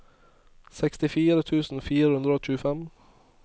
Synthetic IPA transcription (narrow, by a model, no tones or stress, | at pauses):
sɛkst̪ɪfiːɾət̪ʰʉːsn̩fiːɾəhʉnd̪ɾəoːc͡çʉːəfɛm